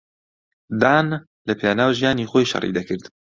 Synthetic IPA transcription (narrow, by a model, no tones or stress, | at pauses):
d̪aːn | lɐpʰeːnaːwʒijaːniːxoːjʃɐ̰rḭːd̪ɐkʰɨɾd̪